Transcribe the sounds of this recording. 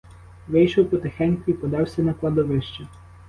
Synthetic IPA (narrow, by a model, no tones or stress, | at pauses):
ʋɪjʃɔwpɔt̪ɛxɛnʲkʊipɔd̪ɑwsʲɐnɐklˠɐd̪ɔʋɪʃt͡ʃɛ